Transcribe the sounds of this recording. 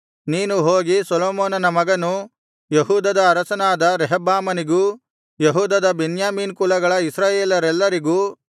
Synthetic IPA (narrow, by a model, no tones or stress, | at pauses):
niːnuɦoːɡisɔloːmoːnɐnɐmɐɡɐnu | jeɦuːd̪ɐd̪ɐːɾɐsɐnaːd̪ɐɾɛɦɐbaːmɐniɡuː | jeɦuːd̪ɐd̪ɐbenjaːmiːnkulɐɡɐɭɐisɾaːjeːlɐɾɛlːɐɾiɡuː